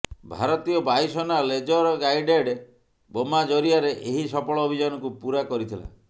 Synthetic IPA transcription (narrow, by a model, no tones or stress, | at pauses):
bʱa̰ɾɔt̪ijɔbajsɔnaled͡ʒɔɾɔɡajɖeɖe | bomad͡ʒɔɾiaɾeʔeɦisɔpɔɭɔobʱid͡ʒanɔkupuɾakɔɾit̪ʰila̰